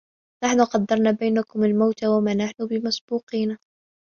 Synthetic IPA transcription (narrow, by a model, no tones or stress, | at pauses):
naħnʊqɑd̪ːɑɾˤnabajnakʊmalmawt̪awamaːnaħnʊbɪmasb̥uːqiːna